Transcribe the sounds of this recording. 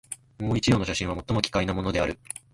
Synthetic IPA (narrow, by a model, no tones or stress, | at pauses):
moːit͡ɕijo̞ːnoɕ̬aɕĩβamo̞t̪ːo̞mo̞kʲi̥kainamo̞no̞d̪e̞aɾɯ̟